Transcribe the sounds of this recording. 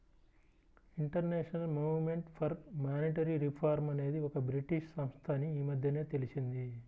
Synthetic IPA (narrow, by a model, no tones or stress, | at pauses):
iɳʈɐɾneːʂɐnɐlmuːʋme̞ɳʈpʰɐɾmaːniʈɐɾiɾipʰaːɾmɐne̞ːd̪iɔkɐbɾiʈiʂsɐmst̪ʰaːniiːmɐd̪ʱjɐne̞ːt̪e̞lit͡ʃind̪i